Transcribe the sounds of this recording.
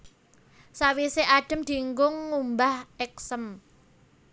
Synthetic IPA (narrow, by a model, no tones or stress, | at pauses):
sawiseʔaɖ̥ə̤md̪̥i̤ŋɡʊŋːumbahɛk̚səm